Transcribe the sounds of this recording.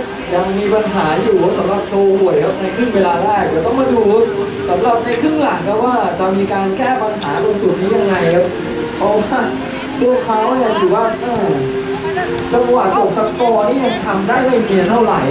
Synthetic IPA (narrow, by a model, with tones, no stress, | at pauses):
t͡ɕa˨˩miː˧pa˧nɦaː˩˦juː˨˩a˦˩sa˨˩˦mɾa˨˩p̚sʰoː˧hu˨˩əjkʰa˦˥p̚na˧jkʰɾɯ˥˩ŋweː˧laː˧ɾɛː˥˩k̚di˨˩wt̪ɔ˥˩ŋmaː˧duː˨˦ | sa˩˦mɾa˨˩p̚na˧kʰɯ˥˩ŋla˨˩˦ŋk̪ʰɛː˥˩waː˥˩t͡ɕa˨˩miː˧kaː˧nkɛː˥˩pa˧nɦaː˩˦ko˧nsu˨˩t̪̚niː˦˥ja˧ŋːa˧jka˦˥p̚ | pʰɔ˧waː˥˩ | t̪ʰu˧˥˩əkʰaː˦˥wna˧˩t̪ʰɯː˨˩waː˥˩ʔa˧˩w | t͡ɕa˧kwaː˨˩t̪̚ʔo˨˩k̚sa˧˥kɔː˧nʰiː˥˩ja˨˩ŋt̪ʰa˧mdaː˥˩jma˧˥˩mi˧ənt̪ʰa˥˩ɾa̰˩˦j